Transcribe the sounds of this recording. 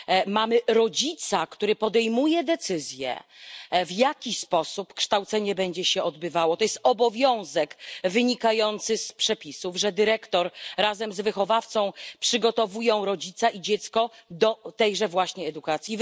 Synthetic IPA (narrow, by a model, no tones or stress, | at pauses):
mamɘɾɔd͡ʑit̪sakt̪uɾɘpɔd̪ɛjmujɛd̪ɛt̪sɘzʲjɛ̰ | vjakʲispɔsupkʂt̪awt̪sɛɲɛbɛɲd͡ʑɛɕɛɔd̪̚bɘvawɔt̪ɔjɛst̪̚ɔbɔvʲjɔ̃w̃zɛkvɘɲikajɔnt̪sɘspʂɛpʲisuvʐɛd̪ɘɾɛkt̪ɔɾɾazɛmzvɘxɔvaft̪sɔ̃w̃pʂɘɡɔt̪ɔvujɔ̃w̃ɾɔd͡ʑit̪saʔid͡ʑɛt̪skɔd̪ɔt̪ɛjʐɛvwaɕɲɛɛd̪ukat̪sʲji